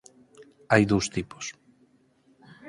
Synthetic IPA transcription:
ajðowst̪ipo̥s

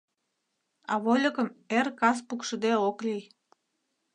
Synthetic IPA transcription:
ɑβolʲə̆kə̆merkɑs̬pukʃəd̪eoklij

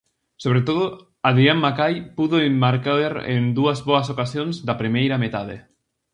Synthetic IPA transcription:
soβɾet̪oðʊ | aðɾiamːakajpuðoemːaɾkaβeɾḛnd̪uɐzβoɐsokasjoŋzd̪ɐpɾimejɾɐmet̪aðḛ

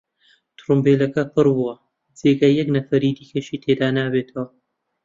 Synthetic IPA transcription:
t̪ʰɾumbelɐkɐpʰɨɾbuwɐ | d͡zeːɡajɐɡnɐfɐɾiːd̪iːkɐʃiːt̪ʰed̪aːnaːbeːt̪ʰɐwɐ

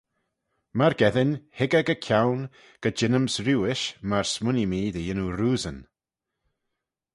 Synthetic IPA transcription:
maɹɡɛðɪnhɪɡəɡəkʰjawn | ɡ̥əd͡ʒɪnəmsɾuːɪʃmaɹsmʊnimiːd̪əjɪnuɾuːzən

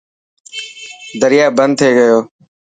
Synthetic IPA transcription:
d̪əɾɪjaːbənd̪̚t̪ʰeːɡəjoː

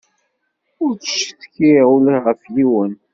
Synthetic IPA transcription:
ʊɾθə̥ʃəθkiʁʊlæʁəfliwən

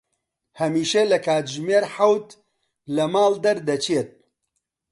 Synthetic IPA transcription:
hɐmiːʃɐlɐkaːt̪ʒmeːɾħawt̪ | lɐmaːld̪ɐɾd̪ɐt͡ʃʰet̪̚

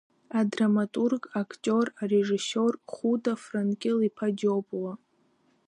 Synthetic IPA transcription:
adramatʼurɡʼakʰtʲʼorareʐɨsorχudafrankʲʼɪlipʰad͡ʒopʼla

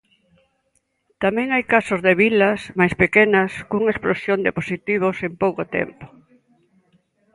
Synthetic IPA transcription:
t̪amɛ̃ŋajkasʊzðeβilɐsmajspekenɐskuŋɐesplosjond̪eposit̪iβ̞osempowkot̪ɛ̰mpo̥

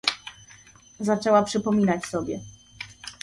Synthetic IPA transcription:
zat͡ʂɛwapʂɘpɔmʲinat͡ɕsɔbʲjɛ

